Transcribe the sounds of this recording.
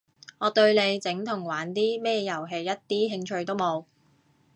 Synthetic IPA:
ŋɔː˨˧t̪ɵ˧ɥle˨˧jt͡sɪ˨˥ŋt̪ʰʊ˨˩ŋwaː˨˥nt̪iː˥mɛː˥jɐ˨˩wɦe˨˧jːɐ˥t̚t̪iː˥ɦɪ˧ŋt͡ʃʰɵ˧ɥt̪o˥wmo˨˧w

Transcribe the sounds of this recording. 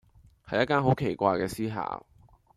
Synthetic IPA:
hɐ˨jːɐ˥t̚kːaː˥nɦo˨˥wkʰe˨˩jkʷaː˧jkɛː˧siː˥ɦa̰ː˨˩

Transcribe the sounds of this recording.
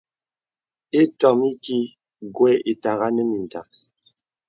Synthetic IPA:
e˦tɔ˨mi˦ki˦ | ɡwɛ˦e˨ta˨ɣa˦nə˦mi˨n˨ta˨

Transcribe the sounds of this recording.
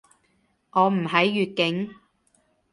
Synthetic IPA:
ŋɔː˨˧m̩˨˩ɦɐ˨˥jːyː˨t̚kɪ˨˥ŋ

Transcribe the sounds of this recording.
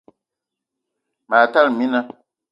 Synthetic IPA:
ma˨ta˦lmĩ˦nã˦

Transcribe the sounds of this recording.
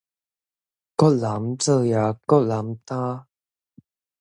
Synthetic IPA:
kɔ˥la˨˦mt͡sə˧ja˨˩kɔ˥la˨˦mt̪aː˦˥

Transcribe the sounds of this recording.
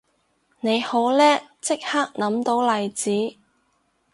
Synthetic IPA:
ne˨˧jho˨˥wlɛː˥t͡sɪ˥k̚haː˥k̚nɐ˨˥mt̪o˨˥wlɐ˨jt͡siː˨˥

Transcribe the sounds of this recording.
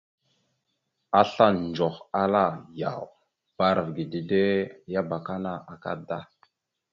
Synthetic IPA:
a˦ɬa˦nd͡ʒo˨xa˦la˦˨ja̰˨w | b̥a˦ɾa˨vɡi˨di˨de˦ja˦ba˨ka˦na˦ʔa˨ka̰˦da̰˦

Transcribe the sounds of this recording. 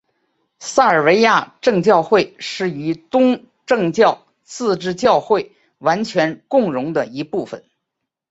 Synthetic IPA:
sa˥˩ə˞˨˩we˧˥ɪja˥˧ʈ͡ʂɤ˥˧ŋt͡ɕjɑ˥˧ʊxwe˥˩ɪʂɻ̩˥˩y˧˥t̪ʊ˥ŋ | ʈ͡ʂɤ˥˧ŋt͡ɕjɑ˥˩ʊ | t͡sɹ̩˥˧ʈ͡ʂɻ̩˥˧t͡ɕjɑ˥˧ʊxwe˥˩ɪ | wa˧˥nt͡ɕʰɥɛ˧˥nkʊ˥˩ŋɻʊ˧˥ŋd̪ə˧i˧˥pu˥˩fə̰˨˩n

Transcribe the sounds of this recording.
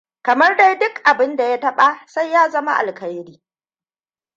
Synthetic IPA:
kɐ˨mɐ˦rda˦jdʊ˦kʔa˨bɪ˦nda˨ja˦tɐ˦ɓa˦sa˦jːaː˦zɐ˦ma˦ʔa̰˨lkɐ˦jɽiː˦

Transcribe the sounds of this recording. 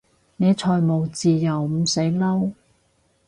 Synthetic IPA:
ne˨˧jt͡ʃʰɔː˨˧jmo˨˩wt͡siː˨˧jɐ˨wm̩˨˩se˨˥jlɐ˥w

